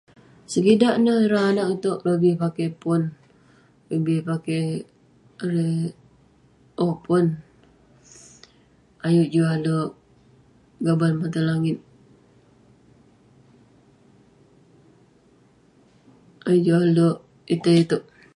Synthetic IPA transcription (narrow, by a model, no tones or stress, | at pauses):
səɡidaʔnəhɾaːnaʔut̪oʔlobihpakepʊn | lobihpake | ɾe | ʔopʊn | ajuʔd͡ʒualoʔ | ɡabalmat̪alaŋɪt̪̚ | ajuʔd͡ʒualoʔ | it̪əit̪oʔ